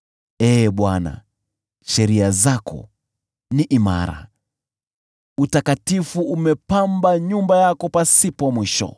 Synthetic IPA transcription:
ɛːɓwana̰ | ʃɛɾiazakɔ̰ | niʔima̰ɾa̰ | utakatifuʔumɛpambaɲumbajakɔpasipɔmwiʃɔ̰

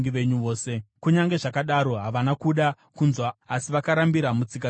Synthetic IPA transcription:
ŋɡiʋe̞ɲuʋoːse̞kuɲaŋɡe̞ʐakaɗaɾo̞ɦaʋanakuɗa | kunzwaːsiʋakaɾambiɾamut͡sika

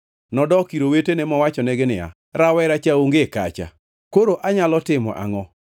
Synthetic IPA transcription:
nɔdɔkiɾowetenemɔwat͡ʃɔneɡenɪa̰ | ɾawɛɾat͡ʃaoŋɡeka̰t͡ʃa̰ | koɾoʔaɲalɔtɪmɔ̰ʔa̰ŋɔ

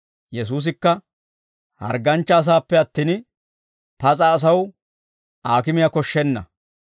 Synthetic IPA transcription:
jɛs̬uːs̬ɪkːɐ | hɐ̰ɾɡɐnt͡ʃːɐːs̬aːpːɛɐt̪ːiːn | pɐt͡sʼɐːs̬ɐw | ʔaːkɪmɪjɐkɔʃːɛnːɐ̰

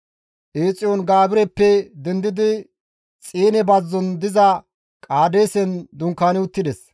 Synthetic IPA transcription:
ʔeːt͡sʼːɪjɔnɡaːbɪɾɛpːɛd̪ɛnd̪ɪd̪ɪ | t͡sʼiːnɛbɐzːɔnd̪ɪzɐ | kʼaːd̪eːsɛnd̪ʊŋkːaːnɪʊt̪ːɪd̪ɛs

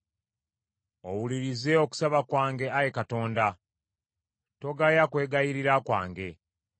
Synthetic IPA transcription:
o̞wuliɾize̞oku̥saβakwaːŋɡe̞ajekato̞ːnda | to̞ɡajakwe̞ːɡajiɾiɾakwa̰ːŋɡe̞

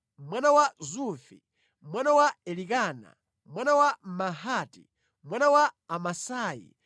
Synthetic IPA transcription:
mwanawazufḭ | mwanawaɛlikaːna̰ | mwanawamaɦaːtḭ | mwanawaːmasaːjḭ

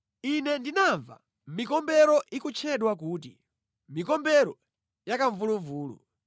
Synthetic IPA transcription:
inɛndinaɱva̰ | mikɔmbɛɾɔʔikut͡ʃʰɛɗwakuːt̬ḭ | mikɔmbɛɾɔ | jakaɱvuluɱvuːlṵ

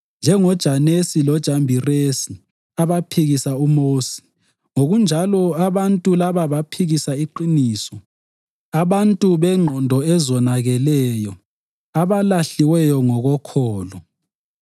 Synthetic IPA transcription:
nd͡ʒʱɛŋɔd̥ʒ̥ʱanesilɔd̥ʒ̥ʱambʱiresi | aβapʰiɣisaumoːsi̥ | ŋoɣund͡ʒʱalɔaβantʼulaβaβapʰiɣisaiǃiniːsɔ | aβantʼuβɛŋ͡ǃʱɔndʱɔɛzɔnaɣɛlɛjɔ | aβalaɬiwɛjɔŋɔɣɔkʰɔːlɔ

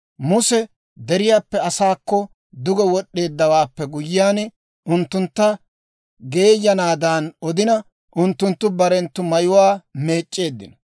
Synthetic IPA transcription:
mʊsɛ | d̪ɛɾɪjaːpːɛɐsaːkːɔ | d̪ʊɡɛwɔɗːe̞ːd̪ːɐwaːpːɛɡʊjːɪjaːn | ʊnt̪ːʊnt̪ːɐ | ɡe̞ːjːɐnaːd̪aːnɔd̪ɪnɐ | ʔʊnt̪ːʊnt̪ːʊbɐɾɛnt̪ːʊmɐjʊwaːme̞ːt͡ʃʼːe̞ːd̪ːɪ̰nɐ

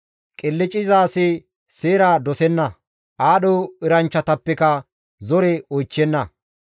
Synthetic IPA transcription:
kʼɪlːɪt͡ʃʼɪzaːse | seːɾaːd̪ɔsɛnːɐ | ʔaːɗoːɪɾɐnt͡ʃːɐt̪ɐpːɛkɐ | zɔɾɛojt͡ʃːɛnːɐ

